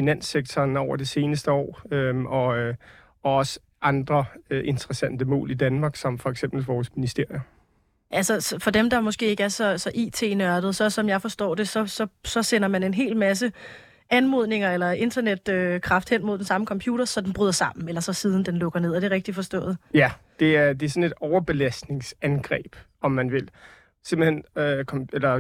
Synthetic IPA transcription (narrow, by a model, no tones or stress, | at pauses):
finæn̰seɡ̥̚t͡sʰɒːnɒʊɐd̥e̝se̝ːnəsd̥əɒ̰ːøɒ̽ | ɒ̽ɒ̽sə | ʔɑ̈nd̥ʁɐʔe̝nt͡sʰʁɐsæn̰d̥əmɔ̰̽ːlid̥ænmɑ̈ːɡ̥sɒ̽mfɒ̽eɡ̥sem̰b̥l̩ʋɒːsminisd̥e̝ɐ̰jo | ʔælsɐsfɒ̽d̥emd̥ɑ̈mɒ̽sɡ̥e̝̰ːe̝ɡ̥æɐsɒ̽sɒ̽ʔḭːt͡sʰe̝̰ːnɶɐd̥ð̩ˠsɒ̽sɒ̽mjɑ̈ɪfɒ̽sd̥ɒ̰ːd̥e̝sɒ̽sɒ̽sɒ̽senɐmæne̝nɦe̝̰ːlmæs̬ə | ænmo̝ð̞ˠne̝ŋɐelɐe̝nd̥ɐned̥økʰʁɑ̈fd̥hen̰moðˠd̥ensɑ̈məkʰɒ̽mpʰjuːɾ̥ɐsɒ̽d̥enb̥ʁyðˠɐsɑ̈m̰n̩elɐsɒ̽siːð̞ˠn̩d̥enlɔ̽ɡ̥ɐne̝ð̞̰ˠɒd̥e̝ʁeɡ̥d̥ifɒ̽sd̥ɔ̰̽ːð̩ˠjæ | d̥e̝æɐd̥e̝æɐsɒ̽ne̝d̥ɒʊɐb̥e̝læsd̥ne̝ŋsænɡ̥ʁɛ̰ːb̥ | ɒ̽mːænʋe̝l | semb̥l̩hen̰økʰɒelɐ